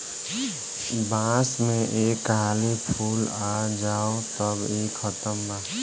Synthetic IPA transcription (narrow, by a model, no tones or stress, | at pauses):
bãːsmẽʔeːkɦaːlipʰuːlad͡ʒaːot̪əbeːkʰːət̪əmbaː